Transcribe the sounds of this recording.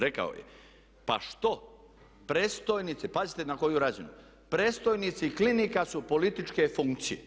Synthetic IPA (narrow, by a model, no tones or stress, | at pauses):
ɾeka̰o̰jḛ | pa̰ʃt̪o̞ | pɾeːst̪ojnit̪sipazit̪enako̞juɾazinu | pɾest̪ojnit̪siiklinikasupo̞lit̪it͡ʃke̞fuŋkt̪sije